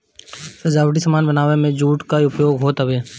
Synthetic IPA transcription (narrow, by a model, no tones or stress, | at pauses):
sɐd͡ʒaːʋəʈ̬isɐmaːnbɐnaːʋemẽd͡ʒuːʈkaiʊpjoːɡɦoːt̪ɦɐʋeː